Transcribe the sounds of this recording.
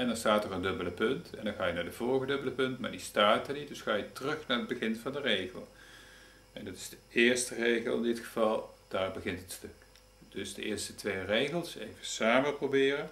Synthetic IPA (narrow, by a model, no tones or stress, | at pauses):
ɛndɑnstaːtəndɵbələpɵntɛ̰ndɑnχaːjənaːdəvɔlˠɣədɵbələpɵntma̰ːdistaːtəɹnit̚dɵsχaːjətərɵxnaːɹəd̚bəɣɪnvɑndərejɣəlˠ | ɛndɑtɪ̥z̥dəɪːɹstərejɣəlˠɪndɪtχəvɑlˠd̥aːɹbəɣɪntɦətstɵk | d̥ɵzdəʔɪ̰ːɹstətʋejrejɣəlˠsḛjvəsaːməprowbɪːrə